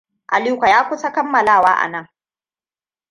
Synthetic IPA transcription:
ʔa˨liː˦kʷa˨jaː˦kʷʊ˦sa˦kɐ˦mːɐ˨laː˦˨waː˦ʔa̰˨nɐ˦˨ŋ

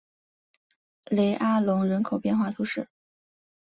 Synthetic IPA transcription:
le˧˥ɪʔa˥lʊ˧˥ŋɻə˧˥nkʰo˨˩ʊpjɛ˥˧nxwa˥˩t̪ʰu˧˥ʂɻ̩˥˩

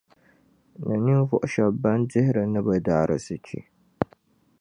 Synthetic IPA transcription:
nɨ˨ni˦n˦vʊ˨ʔʊ˦ʃa˨ba˦ndɪ˦hɪ˦ɾɨ˨nɨ˦ba˨daː˦˨ɾʔɨ̰˨sɨ˨t͡ʃḭ˦

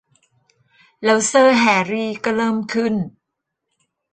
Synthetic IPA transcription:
lɛː˦˥wsɤː˥˩ɦɛː˩˧˦ɾiː˥˧˩kɔ˥˩ɾɤː˥˩mkʰɯ˥˩n

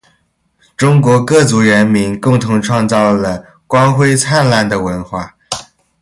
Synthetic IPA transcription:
ʈ͡ʂʊ˥ŋkwɔ˧˥kɤ˥˩t͡su˧˥ɻə˧˥nmi˧˥nkʊ˥˩ŋt̪ʰʊ˧˥ŋʈ͡ʂʰwɑ˥˧ŋt͡sɑ˥˩ʊlə˩ | kwa˥nxwe˥ɪt͡sʰa˥˧nla˥˩nd̪ə˩wə˧˥nxwa˥˩

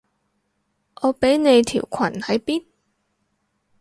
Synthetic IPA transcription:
ʔɔː˨˧pe˨˥jne˨˧jt̪ʰḭː˨˩wkʰɐ̰˨˩nhɐ˨˥jpiː˥n

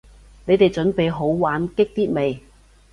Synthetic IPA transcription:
ne˨˧jt̪e˨jt͡ʃɵ˨˥npe˨jɦo˨˥wwaː˨˥nkɪ˥k̚t̪iː˥t̚me˨j

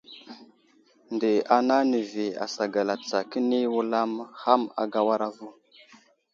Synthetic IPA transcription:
ndə˨a˨na˦nə˨vi˨a̰˨sa˨ɡa˨la˨t͡sa˨kə˦ni˦wu˦la˦mha˦ma̰˨ɡa˦wa˦ɾa˦vu˦˨

